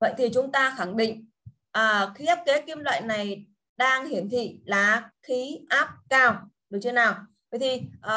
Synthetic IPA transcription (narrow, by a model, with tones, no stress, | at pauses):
və̰˧˨jt̪ʰi˨˩t͡ɕʊ˨˦ŋ͡mt̪aː˧xa˧˩ŋɗḭ˧˨ŋ̟ | ʔəː˨˩xi˨˦ʔaː˦˥p̚ke˨˦ki˧mlwa̰ː˧˨jna˨˩j | ɗaː˧ŋhi˧˩ənt̪ʰḭ˧˨laː˨˩xi˨˦ʔaː˦˥p̚kaː˧˩w | ɗɨ˨˩wt͡ɕə˧naː˨˩wvə̰˧˨jt̪ʰi˨˩ʔəː˨˩